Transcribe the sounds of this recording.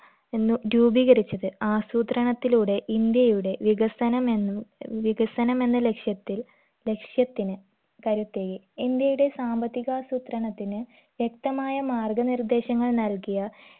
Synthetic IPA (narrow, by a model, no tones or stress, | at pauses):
ɾuːbiɣɐɾit͡ɕːɐðɨaːsuːt̪rɐɳɐt̪ːiluːɽe̞ʔind̪jɐjuɽe̞ʋiɣɐsɐnɐmenːuʋiɣɐsɐnɐme̞nːɐle̞kʂjɐt̪ːil | le̞kʂjɐt̪ːinɨ | kɐɾut̪ːeːɣi | ind̪jɐjuɽe̞saːmbɐt̪ːiɣaːsuːt̪rɐɳɐt̪ːinɨ | ʋjek̚t̪ɐmaːjɐmaːrɡɐnird̪e̞ːɕɐŋːɐɭnɐlkijɐ